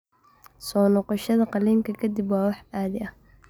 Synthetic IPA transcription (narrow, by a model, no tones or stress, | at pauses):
sɔːnɔqɔʃɐðɐqɑliːŋkʰɐkʰɐd̪ɪbwɑːwɑħaːðɪɐh